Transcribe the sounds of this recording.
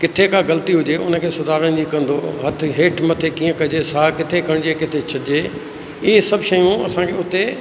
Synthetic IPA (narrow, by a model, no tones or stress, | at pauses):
kɪt̪ʰekaɡɐlt̪iɦʊd͡ʑeʔʊ̰nəkʰeːsʊd̪ʱaːɾəɽ̃d͡ʑiːkɐ̃n̆d̪oːɦɐt̪ʰɪɦeːʈʰmɐt̪ʰekĩːə̃kɐd͡ʑesaːkɪt̪ʰekʰɐɽ̃d͡ʑekɪt̪ʰet͡ɕʰɐɪd͡ʑeː | ɪɦesɐbʃɐjũɐsãːkʰeʊt̪e